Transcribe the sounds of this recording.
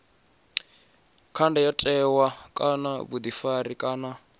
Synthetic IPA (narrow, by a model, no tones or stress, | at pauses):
kʰandɛjatʼɛwakʼanaβud̪ifaɾikʼaːna